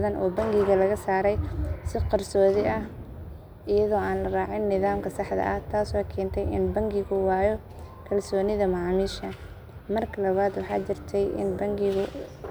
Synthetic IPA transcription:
ðɐnʔɔ̰ːbɐŋɡɪɣɐlɐɣɐsaːɾɛjsɪqɐrsɔːðɪʔɐh | ɪjɐðɔːaːnlɐraːʕɪnːɪðaːmkʰɐsɑħd̪ɐ̰ʔɐht̪ʰaːsɔkʰɛːnt̪ʰɛjɪ̰nbɐŋɡɪɣʊwɑːjɔ | kʰɐlsɔːnɪðɐmɑʕɑːmiːʃɐ | mɐrkʰɐlɐβaːd̪wɑħɑ̰ːt͡ʃɪrt̪ʰɛjʔɪ̰nbɐŋɡɪɣʊ

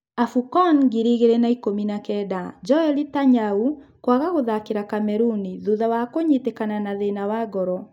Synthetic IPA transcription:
afukɔnɡiɾiɣeɾenaikominakɛdad͡ʒɔɛlitaɲaukwaɣaɣoðakeɾakamɛɾuniðuðawakoɲitekananaðenawaɡɔɾɔ

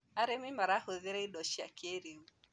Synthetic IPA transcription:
aɾɛmimaɾahɔðɛɾɛiɗɔʃia̰keɾiu

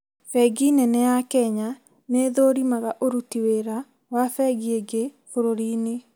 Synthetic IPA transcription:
fɛɡinɛnɛjakɛɲa | neːðoɾimaɣaʔoɾutiweɾa | wafɛɡieɡefoɾoɾiːne

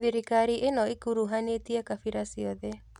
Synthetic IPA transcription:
ðeɾikaɾiʔenɔikuɾuɦanetiakafiɾasiɔðɛ

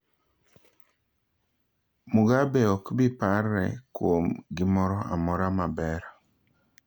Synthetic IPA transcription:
mʊɡabɛɔkbɪparːɛ̰kwomɡɪmɔɾɔa̰mɔɾamabɛɾ

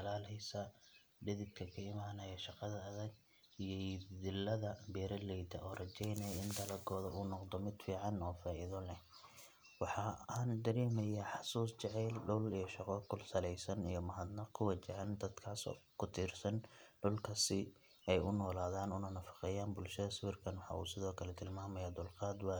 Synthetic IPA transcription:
ɐlaːlɛjsɐ | ɖɪðɪd̪kʰɐkʰɐɪmaːnɐjɐʃɑqɑðɐɐðɐɡ̚ | ijɔdɪlːɐðɐbɛːɾɐlɛjd̪ɐʔɔːrɐt͡ʃɛjnɛjɪnd̪ɐlɐɡɔːðɐuːnɔqd̪ɔmɪd̪fiːʕɑnɔːfaːʔɪðɔlɛ | wɑħɑːaːnd̪ɐɾɛːmɐjaːħɑsuːst͡ʃɛʕɛːlɖʊlijɞʃɑqɔkʰʊlsɐlɛjsɐnijɞmɐɦɐd̪nɐkʰʊwɐt͡ʃɪʕɛnd̪ɐd̪kʰaːsɔ̰ːkʰʊt̪ʰiːrsɐnɖʊlkʰɐsɪ | ɛjʊnɔːlaːðaːnʊnɐnɐfɑ̥qɛjaːnbʊlʃɐðɐsɪwɪrkʰɐnwɑħɑ̰ʔṵːsɪðɔːkʰɐlɛt̪ʰɪlmaːmɛjɔːd̪ʊlqɑːd̪wɑː

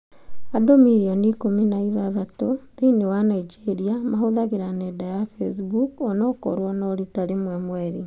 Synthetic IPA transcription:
adomiɾiɔniːkominaiðaðatoðinewanaid͡ʒeɾiamaɦoðaɣeɾanɛdajafesbukɔnɔko̰ɾwɔnɔɾitaɾemwɛmwɛɾi

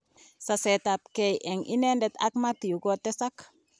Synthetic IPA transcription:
sasetap̚kejʔeŋʔḭnendet̪a̰kmatijuɡotesak

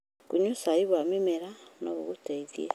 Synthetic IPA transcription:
kuɲusaiβwamimeɾano̰βuɣuteizjḛ

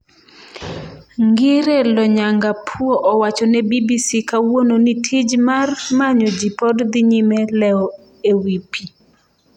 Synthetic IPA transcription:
ŋɡɪɾelɔɲaŋɡapʰwoʔɔwat͡ʃɔnɛbibisikawononitʰid͡ʒmarmaɲɔd͡ʒipɔdd̪iɲimɛlɛɔ | ewipʰi

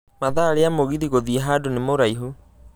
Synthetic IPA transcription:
maðaɾeamoɣiɾiɣoðiɛɦaːdonemoɾaiɦu

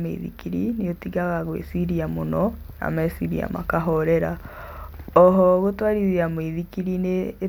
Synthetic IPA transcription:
mḛiðḭkiɾineotiɣaɣaɣwḛsiɾiamonɔ | na̰mɛsiɾḭa̰ma̰kaɦɔɾɛɾa | ɔɦɔɣotwaɾiðiamweðikiɾine

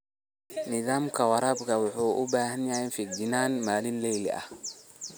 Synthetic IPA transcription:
nɪðaːmkʰɐwɐɾabkʰɐwʊħuːʔʊ̰baːɦɐnjahɛnfɪdɪnaːnmaːlɪnlɛjlɛ̰ʔɐ̰h

